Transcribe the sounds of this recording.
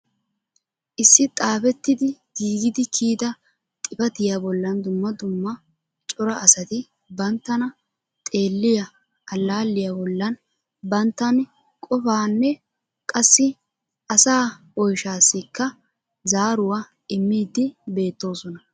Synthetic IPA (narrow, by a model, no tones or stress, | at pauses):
ʔɪsːɪt̪ʼaːfɛt̪ːɪd̪ɪɡ̥iːɡɪd̪ɪkʰiːd̪ɐ | t̪ʼɪpɐt̪ɪjabɔlːɐnd̪ʊmːɐd̪ʊmːɐ | t͡ʃʼɔɾɐʔɐsɐt̪ɪ | bɐnt̪ːɐnɐ | t̪ʼe̞ːlːɪjɐ | ɐlːaːlːɪjaːbɔlːɐn | bɐnt̪ːɐn | kʼɔfaːnːɛ | kʼɐsːɪ | ʔɐsaː | ɔjʃaːsːɪkːɐ | zaːɾʊwa | ʔɪmːiːd̪ːɪbe̞ːt̪ːo̞ːsɔnɐ